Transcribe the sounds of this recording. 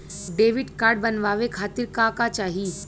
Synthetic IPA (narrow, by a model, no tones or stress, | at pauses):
ɖeːʋɪɖkaːɾɖ̚bɐnʋaːʋekʰaːt̪ɪɾkakat͡ʃaːɦi